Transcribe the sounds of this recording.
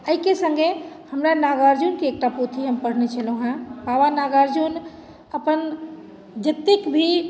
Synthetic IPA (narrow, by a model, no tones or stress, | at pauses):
əikesəŋɡehəmɾanaɡəɾd͡ʒunkeːk̚ʈapot̪ʰiɦəmpəɽ̤net͡ʃʰəlõɦãpabanaɡəɾd͡ʒun | əpən | d͡ʒət̪ːikbʱi